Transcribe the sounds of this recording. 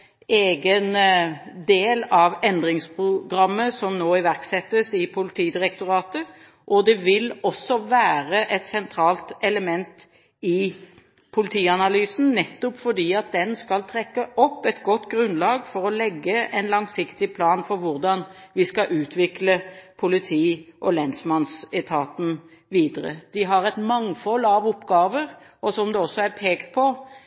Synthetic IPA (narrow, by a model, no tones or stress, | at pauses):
eːɡən | d̪eːlɑʋɛnd̪ʁɪŋspʰʁʊɡʁɑmːəsɔmnoːɪʋæʁksɛt̪ːəsɪpʰʊlɪt̪ʰiːd̪ɪʁɛkt̪ʊɾɑːt̪ə | ʔɔd̪ɛʋɪlɔsːɔʋæːʁəʔɛt̪sɛnt̪ʰɾɑːlt̪ɛləmɛnt̪ | ɪ | pʰʊlɪt̪ʰiːɑnɑlyːsn̩nɛt̪ːɔpfɔɖ̪iːɑt̪̚d̪ɛnskɑlt̪ʰɾɛkːəʔɔpːɛt̪ɡɔt̪ːɡɾʉnlɑːɡfɔɾɔlɛɡːəʔɛnlɑŋsɪkt̪ɪpʰlɑːnfɔɾʋʊɾd̪ɑnʋɪskɑʔʉːt̪ʰʋɪkləpʰʊlɪt̪ʰiːʔɔlɛnsmɑnsɛt̪ʰɑːt̪n̩ | ʋiːd̪əɾə̰d̪̥ɪɦɑɾɛt̪mɑŋfɔlːɑʋʊpːɡɑːʋəɾ | ɔsɔmd̪ɛɔsːɔæɾpʰeːkt̪̚pʰɔ